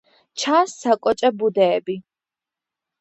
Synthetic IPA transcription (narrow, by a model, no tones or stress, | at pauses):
t͡ʃʰaːsːakʼɔt͡ʃʼabud̪ɛːbi